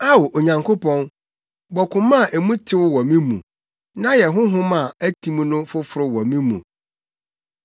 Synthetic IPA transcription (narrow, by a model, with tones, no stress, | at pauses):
a˦wo˨ʔo˨ɲã˨ŋkʰo˦pɔ̃˦n | bɔ˨kʰʊ̃˨mã˦˨ʔe˨mũ˦tʰɪ˦wʊ˦wɔ˨mĩ˦mṵ̃˨ | nã˦jɛ˨ɦʊ̃˦ɦʊ̃˦mã˨æ˦tʰĩ˦m˦nʊ̃˦fʊ˦fʊ˨ɾʊ˦wɔ˨mĩ˦mṵ̃˨